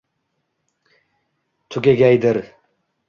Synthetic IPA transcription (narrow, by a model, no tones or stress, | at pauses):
t̪ʰʊkʲeɡʲajd̪ɪɾ